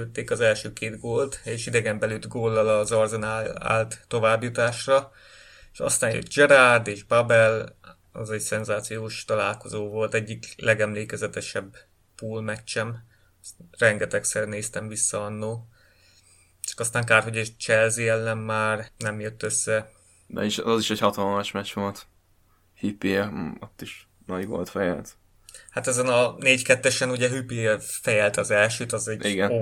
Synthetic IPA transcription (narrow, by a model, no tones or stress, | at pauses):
øt̪ːeːkɒzɛlʃøːkeːd̪ɡoːlt̪eːʃid̪ɛɡɛmbɛlyd̪ɡoːlːɒlɒzɒrzɛnaa̰ːlt̪ːo̞vaːbjut̪aːʃrɒ | eʃɒ̰st̪aːnjø̰t̪d͡ʒɛɾard̪eːʒbɒbɛl | ɒ̰zɛɟsɛnzaːt̪sijoːʃt̪ɒlaːlko̞zoːvo̞lt̪ɛɟːiklʔɛɡɛmleːkɛzɛt̪ɛʃɛbː | puːlmɛt͡ʃːɛm | rɛŋɡɛt̪ɛksɛrneːst̪ɛmvisːɒɒnːoː | t͡ʃɒ̥kɒst̪aːŋkaːrɦo̞ɟɒt͡ʃɛlziɛlːɛmːaːrnɛmjøt̪ːø̞sːɛ | d̪ɛ̰iʃɒziʃɛchɒt̪ɒlmɒʃmɛt͡ʃʋo̞lt̪ | hipːiot̪ːiʃ | nɒɟɡo̰lt̪fɛjɛ̰lt̪ | hat̪ɛzɛnɒneːɟkɛt̪ːɛʃɛnuɟɛɦypifɛjɛlt̪ɒzɛlʃøːt̪ɒzɛɟiɡɛn